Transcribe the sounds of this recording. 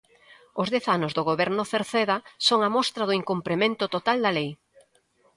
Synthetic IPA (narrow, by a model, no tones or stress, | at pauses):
ʊzðɛθanʊzðoɣ̞oβɛɾnʊθeɾθeðɐsoŋamɔst̪ɾɐðʊiŋkumpɾemẽnt̪ʊt̪ot̪ald̪ɐalej